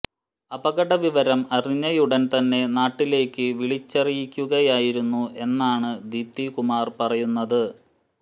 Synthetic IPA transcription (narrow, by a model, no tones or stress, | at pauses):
ɐbɐɣɐɽɐʋiʋɐɾɐmɐriɲːɐjuɽɐnt̪ɐnːe̞naːʈːile̞ːkːɨʋiɭit͡ɕːɐrijikʲːuɣɐjaːjiɾunːuʔe̞nːaːɳɨd̪iːp̚t̪ikumaːrpɐrɐjunːɐðɨ